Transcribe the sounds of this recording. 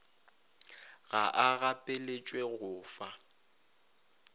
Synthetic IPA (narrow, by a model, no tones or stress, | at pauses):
ɣaʔaɣapʼelet͡ʃʼweɣʊːfa